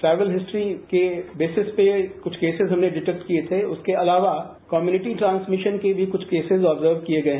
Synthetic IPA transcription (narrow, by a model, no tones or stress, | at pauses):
ʈɾɛːʋəlɦɪsʈɾikebeːsɪspekʊt͡ʃʰkeːsɪzɦɐmneɖɪʈɛk̚ʈkiet̪ʰeʊskeɐlaːʋa | kɔːmjuːnɪʈiʈɾãːnsmɪʃənkebʱikʊt͡ʃʰkeːsɪzɔːbzəɾʋkieɡɐeɦɛ̃